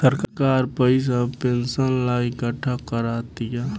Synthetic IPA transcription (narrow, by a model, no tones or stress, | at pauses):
səɾkkaːɾpəɪs̬apensənlaːikəʈʰːakəɾaːt̪ɪja